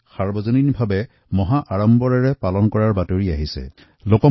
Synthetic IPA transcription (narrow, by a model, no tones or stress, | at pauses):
xaɹbɔzoninbʱabɛ | mɔɦaʔaɹɔmbɔɹaɹɛpalɔnkɔɹaɹbatoɹiaɦisɛ̰ | lokɔ